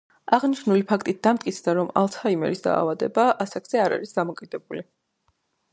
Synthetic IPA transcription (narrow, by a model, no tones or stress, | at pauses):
aʁniʃnulipʰak̚ʰt̪ʼit̪̚d̪amt̪̚ʼkʼit̪sʰd̪aɾɔma̰lˠt̪ʰhaimɛ̰ɾisd̪a̰ːvad̪ɛbaʔasakz̥ɛaɾa̰ɾisd̪amɔkʼid̪̥ɛbuli